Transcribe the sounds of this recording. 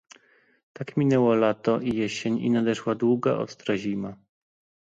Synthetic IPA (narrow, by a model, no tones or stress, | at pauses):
t̪akmʲinɛwɔlat̪ɔʔijɛɕeɲḭnad̪ɛʂwad̪wuɡaʔɔ̰st̪ɾaʑima